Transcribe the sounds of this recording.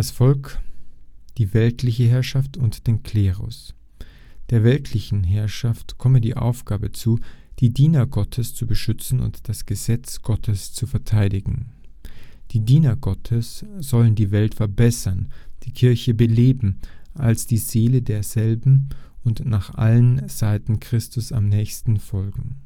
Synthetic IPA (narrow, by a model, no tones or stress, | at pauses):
d̥asfɔlk | d̥iːvɛltʰlɪçəɦɛɐʃaftʊntd̥eːnkʰl̥eːʁʊ̰s | d̥eːɐvɛltʰlɪçn̩ɦɛɐʃaftkʰɔmədḭːʔa̰ʊfɡ̥aːbət͡suːd̥iːdiːnɐɡɔtʰəst͡subəʃʏt͡sn̩ʊ̰ntd̥asɡ̥əzɛt͡sɡ̥ɔtʰəst͡sufɛɐtʰaɪdɪɡŋ̩ | d̥iːdiːnɐɡ̥ɔtʰəsz̥ɔləndiːvɛltfɛɐbɛsɐnd̥iːkʰɪɐçəbəleːbm̩ʔalsd̥iːzeːlədeːɐzɛlbm̩ʊntnaːχʔa̰lənz̥aɪtn̩kʁ̥ɪstʊsa̰mnɛːçstn̩fɔlɡŋ̩